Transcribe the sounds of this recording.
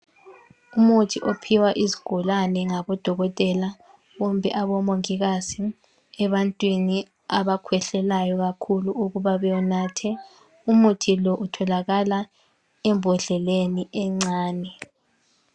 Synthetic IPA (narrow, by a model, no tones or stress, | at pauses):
umutʰiʔopʰiwaʔiziɡ̥ʱɔlanɛŋaβɔd̥ʱɔɣɔtʼɛla | βɔmbʱɛ̰ʔaβɔmoŋiɣasi | ɛβantʼwini | aβakʰwɛɬɛlajɔɣakʰuluuɣuβaβɛjɔnaːtʰɛ | umutʰilɔʔutʰɔlaɣala | ɛmbʱɔɮɛleniʔɛŋ͡ǀaːnɛ